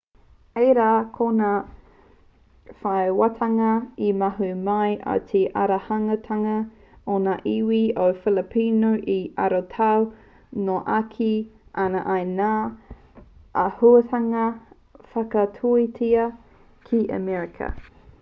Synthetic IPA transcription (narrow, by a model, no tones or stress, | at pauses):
ejɾaːkʰonaː | faewatʰɐŋɐimɐɦumɐjʔa̰tʰeʔɐ̰ɾɐhɐŋɐtʰɐŋɐ | onaʔiwiofɪləpʰinoʔiɐɾotʰɐw | noʔakʰiʔɐnɐʔɐjnaː | ʔɐhutʰɐŋɐ | fɐkɐtʰuitʰiɐ | kʰiʔə̰mɛɹɪkʰɐ̰